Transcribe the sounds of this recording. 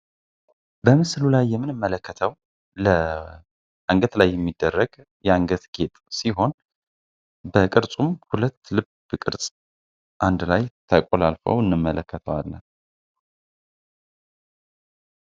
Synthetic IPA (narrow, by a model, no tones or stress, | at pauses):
bəmɨslulajːɛmːɨnɨmːələkʰːət̪ʰəw | lə | ʔaŋɡət̪lajːɛmːid̪ːərːəɡ | jɛaŋɡət̪ɡet̪ʼsiɦo̞n | bəkʼɨɾsʼumhulət̪ːlɨb | kʼɨɾsʼ | ʔand̪lajt̪ʰəkʼolalfə̰wɨnːɨmːələkʰːət̪ʰəwalːə